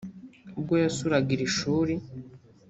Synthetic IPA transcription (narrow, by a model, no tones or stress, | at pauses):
ubɡojosuɾaɡiɾiʃuːɾi